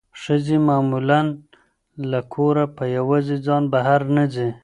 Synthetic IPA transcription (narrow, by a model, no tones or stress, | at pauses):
ʂəzemamulan | lakʰoɾapəjawɑzed͡zɑnbaɦaɾnazi